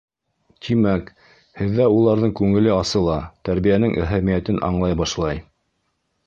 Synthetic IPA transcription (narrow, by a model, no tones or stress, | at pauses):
t̪ʰimæk | hɘ̆ðːæulˠɑɾðɤɴkʉŋɘ̆lɘɑsɤlˠɑt̪æɾβijænɘŋʔæɦæmijæt̪ɘnʔɑ̰ɴlˠɑjbɑʃlˠɑj